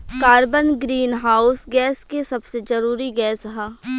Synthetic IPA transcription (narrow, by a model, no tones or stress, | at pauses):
kaːɾbənɡɾiːnɦaːʊsɡɛːskesɐbsezɐɾuːɾiɡɛːsɦɛ̃ː